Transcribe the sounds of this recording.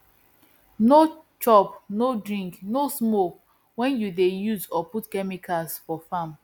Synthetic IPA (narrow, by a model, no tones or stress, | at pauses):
no | t͡ʃɔpnodɹĩŋknosmok | wɛ̃njudejuzɔputkɛmikʰalsfɔfãm